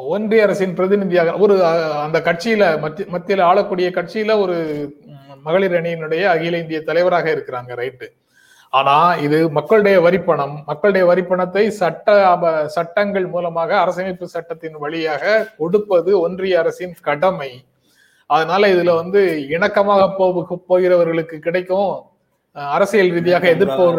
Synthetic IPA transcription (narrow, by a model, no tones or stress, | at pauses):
ɔndrɪjɐɾɐsɪnpɪɾɐðɪnɪðɪjaːɣɐɔɾɯɐnd̪ɐkɐʈ̚t͡ʃɪjɪlɐmɐmɐt̪ːɪlaːɭɐkːuːɽɪjɐkɐʈ̚t͡ʃɪjɪlɐɔɾɯ | mɐɣɐɭɪɾɐɳɪjɪnɯɽɐjɐːɣɪjlɐɪnd̪ɪjɐt̪ːɐlɐɪʋɐɾaːɣɐɪɾɯkːɪɾaːŋɡɐɾɐɪʈːɯ | aːnaːɪðɯmɐkːɐɭɯɽɐjɐʋɐɾɪpːɐɳɐmːɐkːɐɭɯɽɐjɐʋɐɾɪpːɐɳɐt̪ːɐɪsɐʈːɐɐsɐʈːɐŋɡɐɭmuːlɐmaːɣɐːɾɐsɐɐmɐɪpːɯsɐʈːɐt̪ːɪnʋɐɭɪjaːɣɐkɔɽɯpːɐðɯɔndrɪjɐɐɾɐsɪɪnkɐɽɐmɐɪ | ɐðɐnaːlɐɪðɪlʋɐnd̪ɯɪɳɐkːɐmaːɣɐpoːʋɯɣɐpːoːɣɪɾɐʋɐɾɣɐɭɯkːɯkːɪɽɐɪkːõ | ɐɾɐsɪjɐlɾiːðɪjaːɣɐɛðɪɾpoː